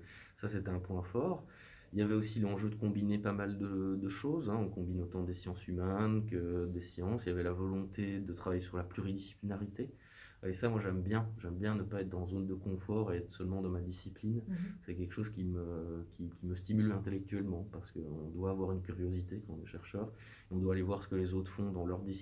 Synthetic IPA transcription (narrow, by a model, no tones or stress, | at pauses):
saset̪ɛɛ̃pwɛ̃fɔːʁ | iljavɛosilɑ̃ʒød̪əkɔ̃binepamald̪əd̪əʃoːzɛ̃ɔ̃kɔ̃binot̪ɑ̃d̪esjɑ̃symɛnkəd̪esjɑ̃siljavɛlavɔlɔ̃t̪ʰed̪ət̪χavajesyʁlaplyʁid̪isi̥plinaʁit̪e | esamwaʒɛmbjɛ̃ʒɛmbjɛ̃nəpaɛt̪χd̪ɑ̃zond̪əkɔ̃fɔːʁeɛt̪χə̥sœlmɑ̃d̪ɑ̃mad̪isiplinsɛkʲɛlkə̥ʃozkʲiməkʲikʲiməst̪imylɛ̃t̪elɛk̚t̪ɥɛlmɑ̃paʁsə̥kəɔ̃d̪waːvwaʁynkʲyʁjozit̪ekɑ̃t̪ɔ̃nɛʃɛʁʃœːʁ | eɔ̃d̪waːlevwaʁsə̥kəlezot̪χfɔ̃d̪ɑ̃lœʁd̪is